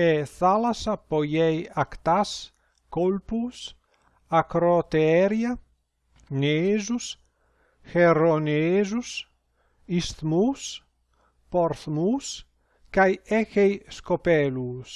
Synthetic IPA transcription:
eθalasapojɛjakt̪as | kolpus | akɾot̪eɛɾja | nezus | xeronezus | ist̪mus | poɾθmus | kajɛxejskopɛlus

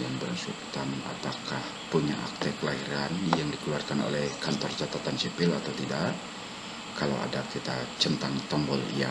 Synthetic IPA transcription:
jaŋbəɾansṵt̪ana̰pakah | puɲa̰ʔa̰k̚t̪ɛkəlaɦiɾanjaŋdikəluarkano̰lɛhkant̪ɔrt͡ʃat̪at̪ansipɪlat̪awt̪idaʔ | kala̰wa̰dakit̪at͡ʃənt̪aŋt̪ɔmbɔlja̰

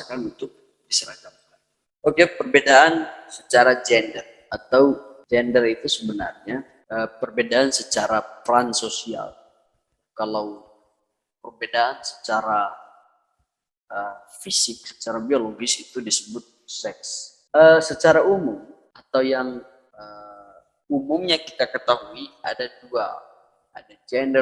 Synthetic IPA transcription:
akanunt̪ʊk̚ | disəɾakap̚kan | okepərbedaansət͡ʃaɾad͡ʒɛndər | at̪awd͡ʒɛndərit̪usəbəna̰rɲa | əpərbedaːnsət͡ʃaɾat̪ɾansosia̰l | kalaw | pərbedaʔːnsə̥t͡ʃaɾa | ə | fisɪk̚sə̥t͡ʃaɾabioloɡɪsit̪udisəbʊt̪̚sɛks | əsət͡ʃaɾaumʊm | at̪awjaŋ | ə | umʊŋɲaki̥t̪akət̪aɦuia̰dadua̰ | ʔa̰dad͡ʒɛndə

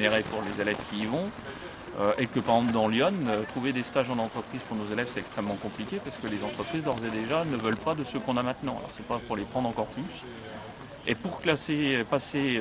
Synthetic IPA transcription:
neʁepuʁlezelɛvkʲiːvɔ̃ | øʔekəpaʁɡzɑ̃pld̪ɑ̃ljɔnøt̪χuved̪est̪aʒɑ̃nɑ̃t̪χəpχiz̥puʁnozelɛvsɛt̪ɛkst̪χɛmːɑ̃kɔ̃plikʲepaʁsə̥kəlezɑ̃t̪χəpχizd̪ɔʁzɛd̪eʒanəvəlpad̪əsəkɔ̃namɛ̃t̪nɑ̃a̰lɔ̰ʁsɛpapuʁlepχɑ̃d̪ʁɑ̃kɔʁplys | epuʁklasepase

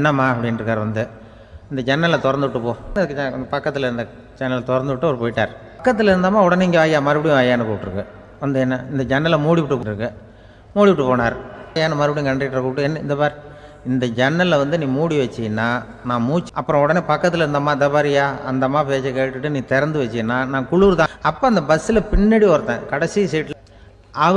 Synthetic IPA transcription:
nːɐmːaːɐpːɐɽɪnɾɯkːaːɾʋɐnd̪ɯ | ɪnd̪ɐd͡ʒɛnːɐlɐt̪ɔɾɐnd̪ɯʋʈːɯpoːɐðɯk̪ːɐpɐkːɐt̪ːɯlɐɪɾɯnd̪ɐ | d͡ʒɛnːɐlt̪ɔɾɐnd̪ɯʋɪʈːɯɔɾɯpoːjɪʈːaːɾ | kːɐt̪ːɯlɐɪɾɯnd̪aːmaːɔɽɐneɪŋɡɐʋaːjaːmaːɾɪpːɐɽɪjʊ̃ʋɐːjaːnɐkoːʈːɯɾɯkːɯ | ʋɐnd̪ɯɛnːɐɪnd̪ɐd͡ʒɛnːɐlɐmuːɽɪʋɪʈːɯpːɾɯkːɯ | muːɽɪʋɪʈːɯpoːnaːɾɐjaːnɐmaːɾɪpɐɽij̃ʊ̃kɐɳɖrɪʈːɾɐkuːʈːɯɛnːɐɪnd̪ɐpaːɾ | ɪnd̪ɐd͡ʒɛnːɐlɐʋɐnd̪ɯnĩːmuːɽiʋɐt͡ʃːɪɐnːaː | nãːmuːt͡ʃːɐpːɯɾɔ̃ɔɽɐneːpɐkːɐt̪ːɯlɐɪɾɯnd̪aːmaːɪd̪ɐpaːɾɪjaːɐnd̪ɐmaːpeːt͡ʃːɐkeːʈːɯʈːɯnĩːt̪ɛɾɐnd̪ɯʋɐt͡ʃːɪjnːaːnãːkʊɭuːɾt̪ãːɐpːoːɐnd̪ɐbɐsɪlɐpɪnːɐɽiɔɾt̪ːẽːkɐɽɐsɪjɐsɛjʈːl | ɐ

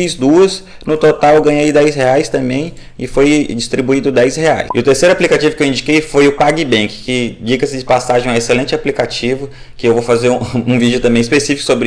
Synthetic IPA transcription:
izd̪uɐs | nʊt̪ot̪awɡɐ̃ɲejd̪ɛjsheajst̪ɐ̃mbẽj̃ | ɪfojd͡ʒist̪ɾibuid̪ʊd̪ɛjshea̰jsɪʊt̪eɾsejɾʊaplikat͡ʃivʊkewĩnd͡ʒikejfojʊpaɡɪbẽkɪ̥kɪd͡ʒikɐsɪd͡ʒɪpasaʒẽj̃eselẽnt͡ʃɪaplikat͡ʃivʊ | kɪewvofazeɾuũvid͡ʒʊt̪ɐ̃mbẽj̃ispesifi̥kʊ̥sobɾɪ

